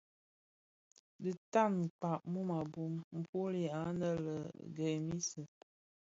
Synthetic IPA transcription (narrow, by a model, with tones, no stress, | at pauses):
də˨ta˦˨n̩˨k͡pa˨ʔmu˦ma˨bu˦mm̩˦pu˦li˦˨a˨˦nə˦lə̰˨ɡə˨mi˦sə˨